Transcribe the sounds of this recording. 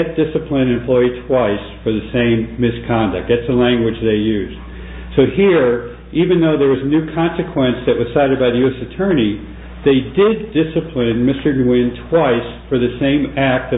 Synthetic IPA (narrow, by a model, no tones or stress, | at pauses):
t̚d̥ɪsɨpʰlɨ̃nɨ̃mpʰl̥ɔɪtʰw̥aɪsfə˞ðɨsẽɪ̃mːɪskʰɑ̃ndɨ̰k̚t̚ðætsðəlæ̃ŋɡwɨd͡ʒðeɪjʉz̥ | soʊhiɹ | ʔivɨ̃nðoʊðə˞wʌznʉkʰɑ̃nsɨkʰw̥ɛ̃nsðɨʔ̚wʌz̥saɪɾɨd̚baɪðɨjʉɛsɨtʰɜ̃˞ni | ðeɪdɪdɪsɨpʰlɨ̃nmɪstə˞dwɪ̃ntʰw̥aɪsfə˞ðɨsẽɪ̃mæk̚t̪̚ðɨ